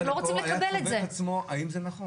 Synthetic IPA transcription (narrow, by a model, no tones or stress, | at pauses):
loʁot͡simlekabeletzeat͡smoʔaimzenaχo